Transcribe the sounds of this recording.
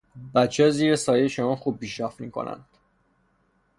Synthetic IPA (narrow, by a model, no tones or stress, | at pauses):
bæt̪t͡ʃʰːɒːziːɾesɒːjeʃomɒːnxub̚ːiːʃɒːfmiːkʰo̰nʔæ̰nd̪̥